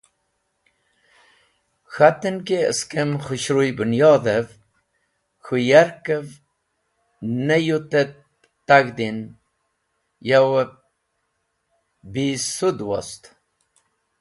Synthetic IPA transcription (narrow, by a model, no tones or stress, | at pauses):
xat̪ənkeə̰skəmxuɕɾujbunjɑd̪əv | xujaɾkəv | nəjut̪et̪ː | aɡd̪in | jawə | bisud̪wo̰st̪